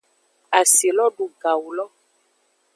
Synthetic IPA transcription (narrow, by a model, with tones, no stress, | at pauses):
a˨si˨lɔ˦ɖo˨ɡa˨wu˨lɔ˦